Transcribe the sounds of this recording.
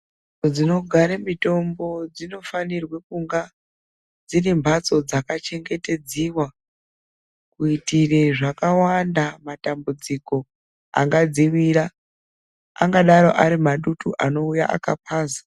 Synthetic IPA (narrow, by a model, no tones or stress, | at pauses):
od͡zino̞ɡʱaɾamito̞mbo̞d͡zino̞fanirwekuŋɡa | d͡zinimbʱat͡so̞d͡zakat͡ʃe̞ŋɡe̞te̞d͡ziwa | kuitireʐakawandamatambud͡ziko̞ | a̰ŋɡad͡ziwiːɾa | a̰ŋɡaɗaɾo̞ʔaɾimaɗutuʔano̞uja̰ʔa̰kapʰaːzḁ